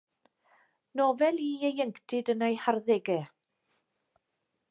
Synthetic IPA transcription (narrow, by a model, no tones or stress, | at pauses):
nɔvɛlˠiːejəŋktʰɪdənejharðɛɡɛ